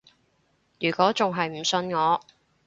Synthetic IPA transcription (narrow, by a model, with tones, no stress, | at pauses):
jyː˨˩kʷɔː˨˥t͡sʊ˨ŋɦɐ˨jm̩˨˩sɵ˧nŋɔː˨˧